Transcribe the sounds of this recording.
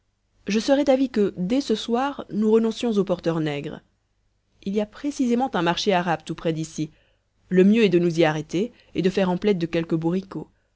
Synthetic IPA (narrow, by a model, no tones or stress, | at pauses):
ʒəsəʁɛd̪avikəd̪ɛsəswaːʁnuʁənɔ̃sjɔ̃zopɔʁt̪œʁnɛɡʁ | iliapχesizemɑ̃t̪ɛ̃maʁʃeaʁabt̪upχɛd̪isi | ləmjøɛd̪ənuziaʁet̪e | ed̪əfɛʁɑ̃plɛt̪̚d̪əkʲɛlkəbuʁiko